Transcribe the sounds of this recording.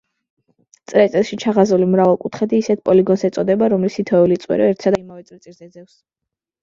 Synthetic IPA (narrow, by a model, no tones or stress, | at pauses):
t̪sʼɾɛt̪sʼilˠʃit͡ʃʰaʁazulimɾavalˠkʼut̪ʰχɛd̪iːsɛt̪̚ʰpʼɔliɡɔnsɛt̪sʼɔd̪ɛbaɾɔmlisit̪ʰɔɛulit̪sʼwɛ̰ɾɛɛɾt̪ʰsad̪aimavɛt̪sʼɾɛt̪sʼiɾzɛd̪zɛfs